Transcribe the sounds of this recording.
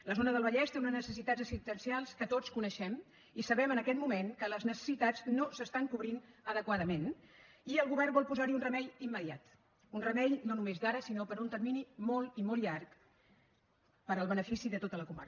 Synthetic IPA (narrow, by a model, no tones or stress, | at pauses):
ləzonəðəlˠβəʎɛst̪eunənəsəsit̪ad͡zəksist̪ənsialˠskət̪ot͡skunəʃɛm | isəβɛmənəkɛt̪mumeŋkələznəsə̥sit̪aznosəst̪aŋkuβɾinəðəkwaðəmen | iəlˠɣuβɛrnbɔlˠpuzaɾiunrəmɛʎimːəðia̰t̪ | unrəmɛʎnonumezd̪aɾəsinopəɾunt̪ərminimolˠimolʎark | pəɾəlˠβənəfisiðət̪ot̪ələkuma̰ɾ